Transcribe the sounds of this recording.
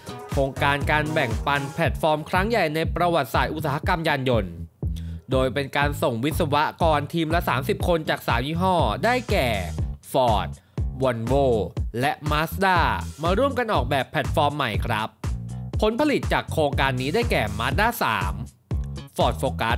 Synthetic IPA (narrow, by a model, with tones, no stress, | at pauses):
kʰɾoː˧ŋkaː˧nkaː˧nbɛ˨˩ŋpa˧npʰɛ˨˩t̪̚fɔː˧mkʰɾa˦˥ŋja˨˩jna˧jpɾa˧wa˨˩t̪̚saː˨˩t̪ʔu˧˩saː˩˦ɦa˦˧˥ka˧mjaː˧njo˧n | doː˧jpe˧nkaː˧nso˨˩ŋwi˦˥t̪̚sa˧wa˦˥kɔː˧nt̪ʰiː˧mlɛ˦˥saː˩˦msi˨˩p̚kʰo˧nt͡ɕaː˨˩k̚saː˨˩˦mjiː˦˥ɦɔː˥˩daː˥˩jkɛː˨˩fɔː˨˩t̪̚ | wu˨˩nboː˧˩lɛ˦˥ʔmaː˦˥sdaː˥˩maː˧ɾu˥˩əmka˧nʔɔː˨˩k̚bɛː˨˩pʰːɛ˨˩t̪̚fɔː˧mːa˨˩jkʰɾa˦˥p̚ʰːo˦˥npʰa˧li˨˩t̪̚t͡ɕaː˨˩kʰɾoː˧ŋkaː˧nːiː˦˥daː˥˩jkɛː˨˩maː˦˥t̪̚daː˥˩sa̰ː˩˦m | fɔː˨˩t̪̚foː˧ka˦˥t̪̚